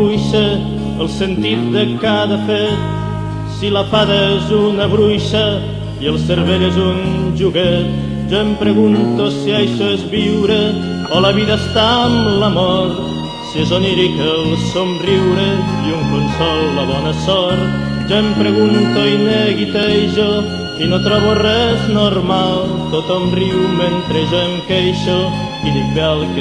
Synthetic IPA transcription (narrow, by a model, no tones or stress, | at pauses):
ujʃə | əlˠsənt̪it̪̚d̪əkaðəfet̪ | siləfaðəezunəβɾujʃə | jəlˠsəɾβeʎezunʒuɣet̪ | ʒɔempɾəɣunt̪osiajʃoezβiwɾə | ɔləβiðəːst̪aəmləmɔɾ | sizoniɾikelsomriwɾe | iuŋkonsɔlːɐβɔnɐsɔɾt̪ | ʒoempɾeɣunt̪oineɣit̪eʒo | inot̪ɾɔβorɛznoɾmalˠt̪ot̪omriwment̪ɾeʒemkejʃo | iðibɛlˠk